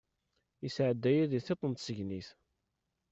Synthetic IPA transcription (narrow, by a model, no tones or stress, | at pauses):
isʕəd̪ːæjæðiθet̪ˤːənt̪səʝniθ